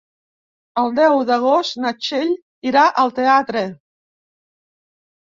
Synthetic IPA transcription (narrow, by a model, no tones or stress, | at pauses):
əlˠd̪ɛwðəɣ̞ost̪nat͡ʃeʎ | iɾaʔəlˠt̪eat̪ɾə